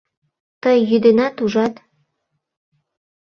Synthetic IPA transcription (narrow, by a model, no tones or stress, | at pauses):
t̪əjːyd̪enɑt̪uʒɑt̪